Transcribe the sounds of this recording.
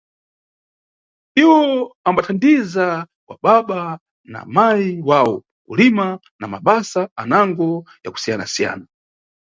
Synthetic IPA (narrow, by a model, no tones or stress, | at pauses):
iwɔambatʰandiza | kwa̰ɓaɓa | na̰maiwawɔ | kulima | namaɓasaanaŋɡɔja̰ku̥sijana̰sija̰ːna